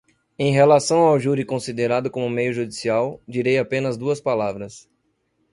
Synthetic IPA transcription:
ẽj̃ɦelasɐ̃w̃awʒuɾikõsid̪eɾad̪ʊkõmʊmejʊʒud͡ʒisiawd͡ʒiɾejapẽnɐzd̪uɐspalavɾɐs

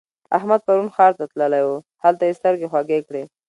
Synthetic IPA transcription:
a̰hmad̪̚paɾunxɑɾt̪at̪ləlajwu | halt̪ajest̪əɾɡexwaɡekɽe

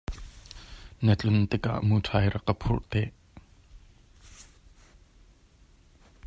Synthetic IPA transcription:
nət͡ɬʊnt̪ɪka̰ʔmuːtʰaːjrɐkːəpʰʊrʔt̪ɛʔ

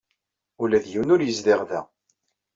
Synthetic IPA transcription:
ulæðjiwnʊɾjəzlɪʁðæ

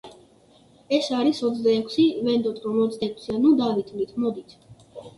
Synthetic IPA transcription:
ɛsaɾisɔt̪sd̪aɛkʰsivɛnd̪ɔt̪ʼɾɔmɔt̪sd̪aɛkʰsianud̪ad̪it̪ʰvlit̪ʰmɔd̪it̪ʰ

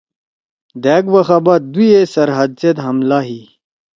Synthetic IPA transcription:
d̪ɛːɡwɐxabɐt̪̚d̪ujesɐɾɦɐd̪̚sed̪ɦɐmlaɦi

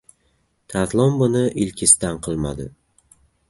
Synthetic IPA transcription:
t̪ʰat̪lˠɒmbʊnɪʔɪlkʲʰɪst̪anqʰɨlˠma̰d̪ɪ̰

